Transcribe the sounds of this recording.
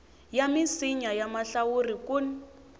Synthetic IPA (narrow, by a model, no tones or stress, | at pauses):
jamisiɲajamaɬawurikun